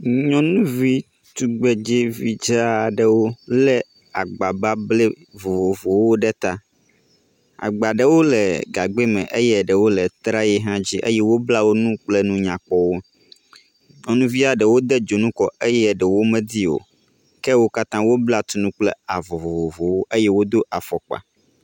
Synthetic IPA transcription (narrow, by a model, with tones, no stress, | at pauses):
ɲɔ̃˦nũ˦vi˦ | t̪u˨ɡ͡be˨d͡ʒe˦vi˨d͡ʒe˦a˨ɖɛ˨wo˦lɛ˦ | a̰˨ɡ͡ba˨ba˦blɛ˦ | vo˨vo˨vo˨wo˦ɖɛ˦t̪a˦ | a̰˨ɡ͡ba˨ɖə˨wo˦lɛ˨ɡa˨ɡ͡be˦mɛ̃˨ʔe˦jɛ˦˨ɖə˨wo˦lɛ˨t̪ɾa˦jɛ˦ɦã˦d͡ʑi˦ʔḛ˦jɛ˦wo˦bla˦wo˦nũ˦k͡plɛ˦nũ˦ɲã˨k͡pɔ˦wo˦ | nũ˦vi˦a˨ɖə˨wo˦d̪ɛ˦d͡ʒo˨nũ˦kɔ˨ʔe˦jɛ˦˨ɖə˨wo˦mɛ̃˦d̪i˦o̰˨ | kɛ˦wo˦ka˦t̪ã˦wo˦bla˦t̪u˦nũ˦k͡plɛ˦a˨vo˨vo˨vo˨vo˨wo˦ʔe˦jɛ˦wo˦d̪o˦ʔa˨fɔ˨k͡pa̰˨